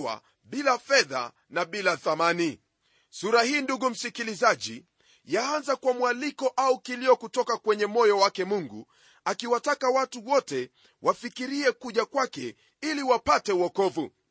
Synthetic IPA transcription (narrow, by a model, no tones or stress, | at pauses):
wa̰ | ɓilafɛða̰ | naɓilaθamani | suɾahiːnduɡum̩sikilizaʄḭ | jaanzakwamwalikɔʔaukilijɔkutɔkakwɛɲɛmɔjɔwakɛmuŋɡṵ | akiwatakawatuwɔtɛ | wʔafikiɾiɛkuʄakwakɛ | iliwapatɛuwɔkɔvu